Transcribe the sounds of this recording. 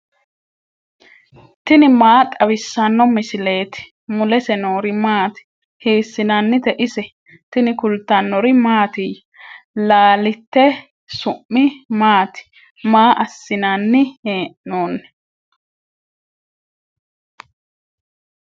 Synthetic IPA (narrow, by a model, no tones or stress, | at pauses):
t̪ɪnɪmaːt̪ʼɐwɪsːɐnːɔmɪsɪle̞ːt̪ɪ̥ | mʊlɛsɛnoːɾɪmaːt̪ɪ̥ | heːsːɪnanːɪt̪ɛʔɪsɛ | t̪ɪnɪkʊlt̪ːɐnːɔɾɪmaːt̪ɪj | laːlɪt̪ːɛ | sʊʔːɪmaːt̪ɪ̥ | maːʔɐsːɪnanːɪheːʔnoːnː